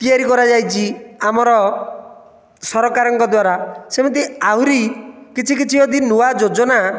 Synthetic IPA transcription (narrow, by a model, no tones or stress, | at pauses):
t̪iaɾikɔɾad͡ʒajt͡ʃʰiamɔɾɔ | sɔɾɔkaɾɔŋkɔd̪waɾasemɔt̪iaɦuɾikit͡ʃʰikit͡ʃʰiod̪inuwad͡ʒod͡ʒɔna